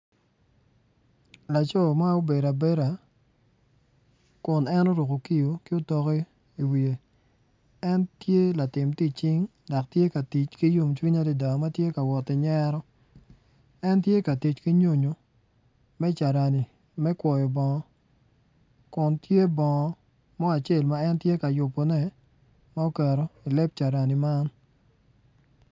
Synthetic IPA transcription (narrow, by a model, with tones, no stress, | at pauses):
la˨t͡ʃɔ˦˨ma˦o˦be˨ɾa˨be˦ɾa˨ | kʊ˨nɛ˦no˦ɾo˨ko˨ki˦jo˨kɪ˦o˦tɔ˦ke˦ | i˨wi˨e˨ | ɛ˦ntje˦la˨tɪ˨mti˦t͡ʃi˦ŋ | da˨ktje˦ka˨ti˨t͡ʃki˦ju˦mt͡ʃwi˦ɲa˦di˨da˨ma˦tje˦ka˨wɔ˨tɪ˨ɲɛ˦ɾɔ˦ | ɛ˦ntje˦ka˨ti˨t͡ʃki˦ɲo˦ɲo˨ | mɛ˦t͡ʃa˨ɾa˨ni˨ | mɛ˦kwɔ˨jɔ˨bɔ˨ŋɔ˦ | kʊ˨ntje˦bɔ˨ŋɔ˨ | mɔ˦a˨t͡ʃe˦˨lma˦ɛ˦ntje˦ka˨jʊ˨pːo˨nɛ˦ | ma˦o˦kɛ˨ɾo˨i˨le˦p̚t͡ʃa˨ɾa˨ni˨ma˦n